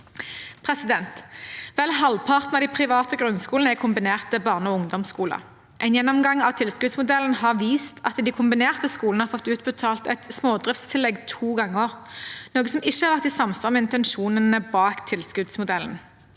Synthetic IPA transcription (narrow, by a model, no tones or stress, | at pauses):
pʰʁɛsɪd̪ɛnt̪ʋɛlɦɑlpʰɑʁt̪n̩ɑʋd̪ɪpʰʁɪʋɑːt̪əɡʁʉnskuːlnəækʰʊmbɪneːʁt̪t̪əbɑːʁnəɔːʊŋd̪ɔmskuːlə̰ | ʔæɪnjɛnːɔmɡɑŋɑʋt̪ʰɪlskʉd̪smʊd̪ɛlːənhɑʁʋiːst̪ʰɑ̰t̪d̪ɪkʰʊmbɪneːʁt̪əskuːlnəhɑfɔt̪ːʉːt̪bət̪ʰɑːlt̪ɛ̰t̪smoːd̪ʁɪft̪st̪ʰɪlːɛɡt̪ʰuːɡɑŋːəoːʁnoːɡəsɔmɪçːəhɑʁʋæʁt̪ɪːsɑmsɔʁmɛɪnt̪ɛnʃuːnənəbɑːkt̪ʰɪlskʉd̪smʊd̪ɛlːən̩